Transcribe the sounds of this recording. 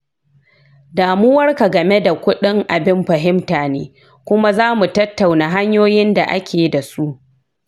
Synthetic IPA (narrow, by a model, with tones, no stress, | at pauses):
daː˨mʊː˦wɐ˦rka˨ɡɐ˨me˦da˨kʷʊ˦ɗɪ˦ŋʔa˨bɪ˦mɸɐ˨ɦɪ˦mtaː˨nḛː˦ | kʷʊ˦ma˦zaː˦mu˨tɐ˦tːa˨wnaː˨ɦa˦ɲjoː˦jɪ˦nda˨ʔa̰˦kʲeː˨da˨su˦ʔ